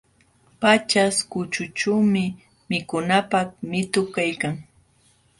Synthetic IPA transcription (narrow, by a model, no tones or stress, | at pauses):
pat͡ʃaskʊt͡ʃʊt͡ʃuwmɪ | mɪkʊnapakmɪt̪ʊkajkaŋ